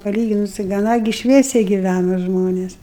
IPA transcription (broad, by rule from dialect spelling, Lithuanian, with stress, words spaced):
pɐˈlʲiːɡʲɪnʊs tɐɪ ɡɐˈnɐ ɡʲɪ ˈʃʲʋʲiɛsʲɛɪ ɡʲɪˈʋʲænoː ˈʒmoːnʲeːs